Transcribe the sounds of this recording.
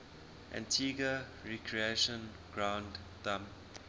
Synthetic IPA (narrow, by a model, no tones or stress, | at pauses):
ʔã̰ntʰiɡəɹɛkʰɹieʃə̃n | ɡ̥ɹãwnd | d̪ãm